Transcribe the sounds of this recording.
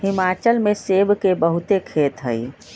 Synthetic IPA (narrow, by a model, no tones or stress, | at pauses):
ɦimaːt͡ʃəlmesebkebəɦut̪ekʰet̪ɦə̰j